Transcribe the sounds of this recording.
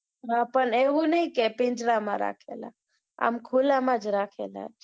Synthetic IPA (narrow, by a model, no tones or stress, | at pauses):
ɦãpəneɦunəĩkepɪ̃nd͡ʒɾamã̰ɾa̰ːkʰḛla̰ | a̰mkʰulamãd͡ʒɾakʰela̰d͡ʒ